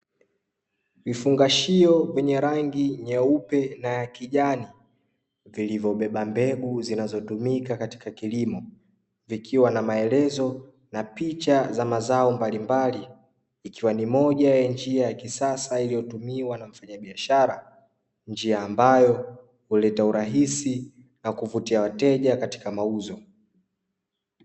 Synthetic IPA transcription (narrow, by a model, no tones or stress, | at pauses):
vifuŋɡaʃiɔvɛɲɛɾaŋɡiɲɛupɛnajakiʄani | vilivjɔɓɛɓambɛɓuzinazɔtumikakati̥kakilimɔ | vikʰiwanamaɛlɛzɔ | napit͡ʃazamazaɔmbalimbaliː | kiwanimɔʄajand͡ʒiajakisasailijɔtumiwanaɱ̩faɲaɓiaʃaɾa | nd͡ʒiaːmbajɔ | hulɛtauɾaɦisi | nakuvutiawatɛʄakati̥kamauzɔ